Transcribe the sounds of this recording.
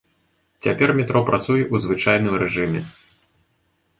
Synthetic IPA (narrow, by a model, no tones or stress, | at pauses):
t͡sʲapʲɛrmʲɛt̪ɾɔpɾʔat̪sujɛʔuzvɨt͡ʂajn̪ɨmɾɛʐɨmʲɛ